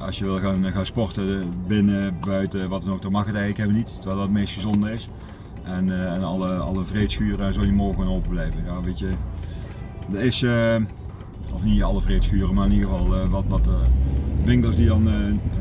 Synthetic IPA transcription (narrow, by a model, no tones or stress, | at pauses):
ɑ̰sjəʋɪlˠɣaːnɣaːnspɔrtəbɪnəbœɥtəʋɑtɛnok̚dɔmɑxətɛjɣləkhɛʋənittʰːəʋɛlˠəətmejstxəzɔndərɪs | ʔɛnnɑləɑ̰ləvretsxyːrəzolˠjəmɔːɣanowpəblɛjvəjaːʋetjə | dərɪsə | ɔfniɑlˠəvreːtsxyːrəmaːrɪniɣəvɑlˠəʋɑtʋɑtəʋɪŋkəlˠsdidɑn